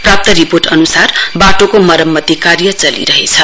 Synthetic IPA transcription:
prap̚t̪ʌɾiporʈʌnusarbaʈokomʌɾʌmːʌt̪ikaɾjʌt͡sʌlḭɾʌɦet͡sʰʌ

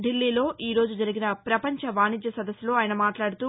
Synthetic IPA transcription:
ɖilːiːlo̞ːʔiːɾoːd͡ʒud͡ʒɐɾiɡinɐpɾɐpɐɲt͡ʃɐʋaːnid͡ʒ̪jɐsɐd̪ɐsːlo̞ːaːjɐnɐmaːʈlaːɽut̪uː

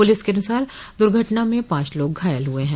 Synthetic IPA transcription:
pʊlɪskeɐnʊsaːɾ | d̪ʊɾɡʱəʈnamẽpãːt͡ʃloːɡɡʱaːjəlɦʊeɦɛ̃ː

